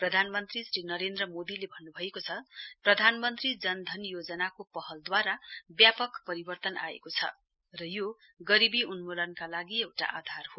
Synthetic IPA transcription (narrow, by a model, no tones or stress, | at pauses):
prʌd̪ʱanmʌnt̪risrinʌɾend̪rʌmod̪ilebʱʌnːubʱʌekot͡sʰʌprʌd̪ʱanmʌnt̪rid͡zʌnd̪ʱʌnjod͡zʌnakopʌɦʌld̪waɾabjapʌkpʌɾibʌrt̪ʌna̰ḛkot͡sʰʌ̰ | rʌjo | ɡʌɾibiunmolʌnkalaɡiewʈa̰ʔad̪ʱarho